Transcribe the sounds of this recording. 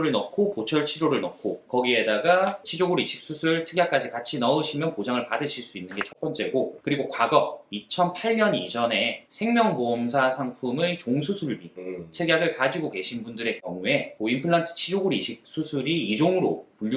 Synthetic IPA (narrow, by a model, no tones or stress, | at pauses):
ɾɯɭnʌkʰokot͡ɕʰʌɭt͡ɕʰiɾoɾɯɭnʌkʰokʌɡie̞daɡat͡ɕʰid͡ʑoɡuɾiɕʰi̥k̚s͈usʰɯɯɭtʰɯɡjak͈ad͡ʑikat͡ɕʰinʌɯɕʰimjʌnpod͡ʑaŋɯɭpadɯɕʰiɭs͈uinːɯnɡe̞t͡ɕʰʌk̚p͈ʌnt͡ɕ͈e̞ɡokɯɾiɡokwaɡʌit͡ɕʰʌnpʰaɭɲʌnid͡ʑʌne̞sʰe̞ŋmjʌŋbomsʰasʰaŋpʰumet͡ɕoŋsʰusʰuɾɭɭbidt͡ɕʰeɡjaɡɯɭkad͡ʑiɡoke̞ɕʰinbundɯɾe̞kjʌŋue̞moimpʰɯɭːantʰɯ̥t͡ɕʰid͡ʑoɡuɾiɕʰik̚s͈ʰusʰuɾiːd͡ʑoŋɯɾopuʎː